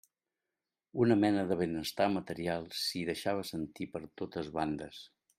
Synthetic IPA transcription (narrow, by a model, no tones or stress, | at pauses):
unəmɛnəðəβenəst̪amət̪əɾialˠsiðəʃaβ̞əsənt̪ipəɾt̪ot̪əzβand̪əs